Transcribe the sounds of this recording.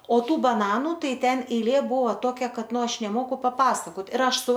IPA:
oː ˈtuː bɐˈnɑːnʊ ˈtɐɪ ˈtʲɛn ɛɪˈlʲeː ˈbʊʋoː ˈtoːkʲɛ ˈkɐt ˈnʊ ˈɐʃ nʲɛˈmoːkʊ pɐˈpɑːsɐkoːt ɪr ˈɐʃ ˈsʊ

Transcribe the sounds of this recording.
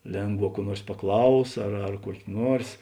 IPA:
ˈlʲeːŋˌɡʋɑː kuɔ ˈnuɔrs pɐˈklˠɐʊs ɐr ɐr kuɔkʲ ˈnuɔrs

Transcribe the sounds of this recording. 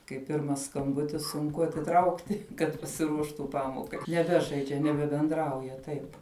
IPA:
kɐɪ ˈpʲɪrmɐs skɐmˈbʊtʲɪs sʊŋˈkʊ ɐtʲɪˈtrɐʊktʲɪ kɐt pɐsʲɪˈruɔʃtuː ˈpɑːmoːkɐɪ nʲɛˈbʲæːʒɐɪd͡ʒʲɛ nʲɛbʲɛbʲɛnˈdrɐʊjɛ ˈtɐɪp

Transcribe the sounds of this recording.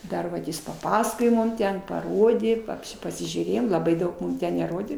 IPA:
ˈdɐr ʋɐt ˈjɪs pɐˈpɑːsɐkoːjoː ˈmʊm ˈtʲɛn pɐˈroːdʲeː pɐpʲˈʃʲɪ pɐsʲɪʒʲuːˈrʲeːjoːm lˠɐˈbɐɪ ˈdɐʊk ˈmʊm ˈtʲɛn nʲɛˈroːdʲeː

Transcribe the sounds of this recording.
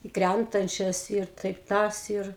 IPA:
ɪ ˈkrʲæntɐnʲt͡ʃʲɛs ɪr ˈtɐɪp ˈtɐs ɪr

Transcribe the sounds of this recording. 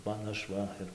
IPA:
ˈmɐn ˈɐʃ ˈʋɐ ɪr

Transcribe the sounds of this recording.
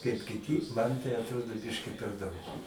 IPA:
kɐɪp kʲɪˈtʲiː ˈmɐn tɐɪ ɐtˈroːdoː ˈbʲɪʃʲkʲɪ pʲɛr ˈdɐʊk

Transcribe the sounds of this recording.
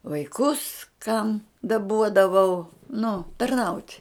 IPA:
ʋɐɪˈkʊs kɐm dɐˈbuɔdɐʋɐʊ nʊ tɐrˈnɐʊtʲ

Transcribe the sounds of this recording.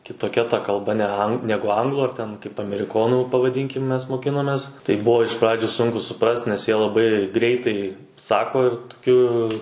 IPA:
kʲɪtoːˈkʲɛ ˈtɐ kɐlˠˈbɐ nʲɛɐ ˈnʲæːɡʊ ˈɐŋɡlˠuː ɐr ˈtʲɛn kɐɪp ɐmʲɛrʲɪˈkoːnuː pɐʋɐˈdʲiːŋʲkʲɪm ˈmʲɛs moːˈkʲɪnoːmʲɛs ˈtɐɪ ˈbuɔ ɪʃ ˈprɑːd͡ʒʲʊ ˈsʊŋkʊ sʊˈprɐst nʲɛs jiɛ lˠɐˈbɐɪ ˈɡrʲɛɪtɐɪ ˈsɑːkoː ɪr tʊˈkʲʊ

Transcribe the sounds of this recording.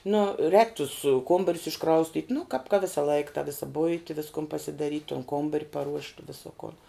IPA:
nʊ rʲɛːk tʊs ˈkoːmbɐrʲʊs ɪʃˈkrɐʊsʲtʲiːtʲ nʊ kɑːp kɐ ˈʋʲɪsɐlˠɐɪk tɐ ˈʋʲɪsɐ ˈbʊɪtʲɪ ˈʋʲɪskʊn pɐsʲɪdɐˈrʲiːtʲ tʊn ˈkoːmbɐrʲ pɐˈruɔʃʲtʲ ˈʋʲɪsoː koːn

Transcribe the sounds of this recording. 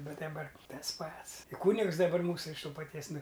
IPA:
ˈbʲɛt dɐˈbɐr ˈtɐs ˈpɐts ɪ ˈkuːnʲɪks dɐˈbɐr ˈmuːsʊ ɪʃ ˈtoː pɐˈtʲiɛs ˈnʊ

